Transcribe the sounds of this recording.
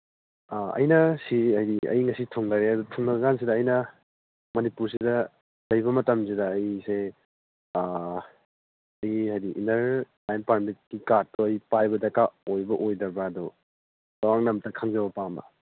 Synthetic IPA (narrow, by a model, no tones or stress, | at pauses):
aɐ̰jnɐsiɦɐjdiɐ̰jŋɐsitʰoŋdaɾeɐdutʰoŋnɐɡɡans̬idɐːjnɐ | mɐnipuɾs̬idɐ | lɐjbɐmɐtɐms̬idɐːjse | ɐjɦajdiʔintɐɾ | ajnpaɾmit̚kikatɔɐjpajbɐdɐkaojbɐʔojdɐbɐːdu | lawaŋnɐmtɐkʰaŋzɐbɐpambɐ̰